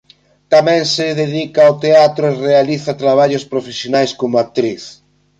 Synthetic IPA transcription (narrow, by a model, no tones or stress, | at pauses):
t̪amɛ̃ŋsɪðeðikaot̪eat̪ɾʊerealiθat̪ɾaβ̞aʎʊspɾofesjonajskomʊak̚t̪ɾiθ